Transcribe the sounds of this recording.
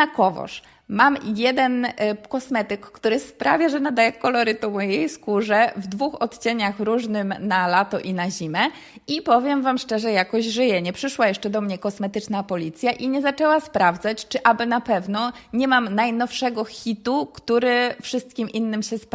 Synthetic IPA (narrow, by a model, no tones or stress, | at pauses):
akɔvɔ̰ʂ | mamjɛd̪ɛnkɔsmɛt̪ɘkːt̪uɾɘspɾavʲjaʐɛnad̪ajɛkɔlɔɾɘt̪ɔmɔjejskuʐɛvd̪vuxɔt̪t͡ɕeɲaxɾuʐnɘmnalat̪ɔʔinaʑimʲɛ | ipɔvʲjɛmvamʂt͡ʂɛʐɛjakɔʑʐɘjɛɲɛpʂɘʂwajɛʂt͡ʂɛd̪ɔmɲɛkɔsmɛt̪ɘt͡ʂnapɔlʲit̪sʲjaʔiɲɛzat͡ʂɛwaspɾavd̪zat͡ɕt͡ʂɘʔabɘnapɛvnɔɲɛmamnajnɔfʂɛɡɔxʲit̪ukt̪uɾɘfʂɘst̪̚kʲimʔinːɘmɕɛsp